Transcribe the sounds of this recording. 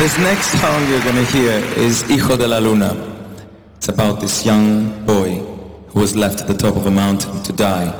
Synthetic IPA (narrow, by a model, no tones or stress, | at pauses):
ðɪsnɛksthʰãɪ̃mjə˞ɡʌnəhiəɹɪzixɔdəlalunə̰ | ɪtsəbaʊt̪̚ðɪsjʌ̃ŋb̥ɔɪ | huəzlɛftʰət̪̚ðətʰɔpəvðəmãʊ̃ntʰɪ̃ntʰədaɪ